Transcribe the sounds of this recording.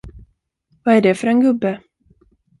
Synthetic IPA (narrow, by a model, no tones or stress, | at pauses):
vaæɖɛfœɾɛnɡɵbːə